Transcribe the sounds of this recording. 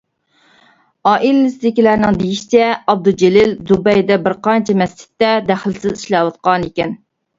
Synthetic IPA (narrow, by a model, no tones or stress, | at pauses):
ɑːʔilɪɪsɪd̪ɪkʲilæɾnɪŋd̪ejiʃi̥t͡ʃʰɛɑb̚d̪ud͡ʒelɪld̪ubɛjd̪ɛbɪɾqɑnt͡ʃʰɛmɛst͡ʃʰɪ̥t̪ːɛd̪æχlsɪziʃlɛwɑt̪̚qɑnikʲɛn